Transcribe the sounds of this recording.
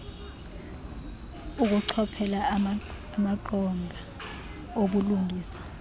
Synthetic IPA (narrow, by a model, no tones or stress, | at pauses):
uk̬uǀʰɔpʰɛlaː | maǀɔŋʱa | oɓuluŋʱiːsḁ